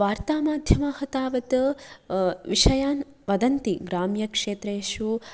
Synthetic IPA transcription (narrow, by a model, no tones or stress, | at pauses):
ʋaːɾt̪aːmaːd̪ʱjɐmaːhɐt̪aːʋɐt̪ | ʋiʂɐjaːn | ʋɐd̪ɐnt̪iɡɾaːmjɐkʂeːt̪ɾeːʃu